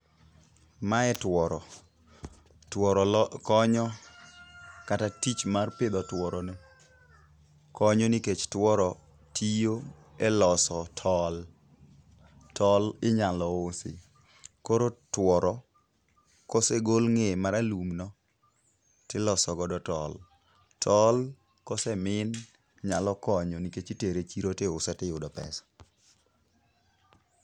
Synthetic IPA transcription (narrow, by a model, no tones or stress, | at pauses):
maɛtwɔɾɔ | tɔɾɔkɔɲɔ | katatit͡ʃmarpɪd̪ɔtwɔɾɔne | kɔɲɔnɪket͡ʃtwɔɾɔ | tʰijo | ɛlɔsɔtʰɔl | tɔlɪɲalɔosɪ̰ | koɾotwɔɾɔ | kɔseɡolŋemaɾalumnɔ | tɪlɔsɔɡɔdɔtɔl | tʰɔl | kɔsɛmɪn | ɲalɔkɔɲɔniket͡ʃiteɾet͡ʃiɾoteʊsɛtɪjʊdɔpɛ̰sḁ